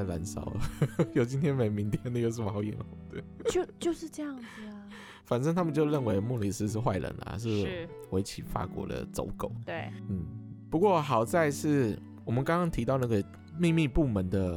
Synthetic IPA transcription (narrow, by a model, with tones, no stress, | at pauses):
la˧˥nsɑ̰˨˩˦ʊjo˨˩ʊt͡ɕi˧˥nt̪ʰjɛ˥nme˨˩ɪmi˧˥ŋt̪ʰjɛ˥˩nd̪ə˨jo˥˧ʊʂ̬̩˥˩ɑ˧˥ʊjɛ̰˧˥nxd̪ə˩t͡ɕo˥˧ʊt͡ɕjo˥˧ʊʂɻ̩˥˧ʈ͡ʂɤ˥˧jɑ˥˩ŋd͡z | fa˨˩nʈ͡ʂə˥˧ŋt̪ʰa˥mə˨t͡ɕjo˥˧ʊɻə˥˩nwe˧˥˦ɪmu˥˧li˨˩s̩˥˩ʂ̬ɻ̩˥˧xwa˥˩ɪɻə̰˧˦nɐ̰˨ʂ̬ɻ̩˥˧˩ | we˧˥ɪt͡ɕʰi˨˩fa̰˥˩kwɔ̰˧˥d̪ə̰˧t͡so̰˧˥ʊko˨˩ʊt̪we˥˩n̩˥˩pu˧˥kwɔ˥˩xɑ˨˩ʊt͡sa˥˧ɪʂɻ̩˥˩ | wɔ˨˩mə˦nkɑ˥ŋkɑ˥ŋt̪ʰi˧t̪ɑ˥˧ʊna˥˩ɡə˩ | mi˥˧mi˥˧pu˥˩mə˧˦nd̪ə˧